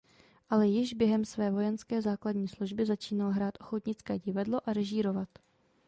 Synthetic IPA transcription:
ʔalɛjɪʒbjɛɦɛmsvɛːvo̞jɛnskɛːzaːkladɲiːsluʒbɪzat͡ʃiːnalɦɾaːt̪ʔo̞xo̞t̪ɲɪt͡skɛːɟɪvadlo̞ʔaɾɛʒiːɾo̞vat̪

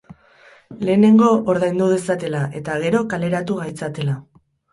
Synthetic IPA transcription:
le̞ːne̞ŋɡo̞ʔoɾðajnd̪uðe̞sat̪e̞laʔe̞t̪aɣ̞e̞ɾo̞kale̞ɾat̪uɣajt͡sat̪e̞la

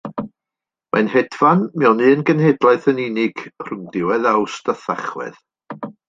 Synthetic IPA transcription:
mʔa̰nhɛdvanmɛwnɨənɡənhedlˠaɨθəninɪɡ̥r̥ʊmdɪwɛðawstəθaχwɛ̰ð

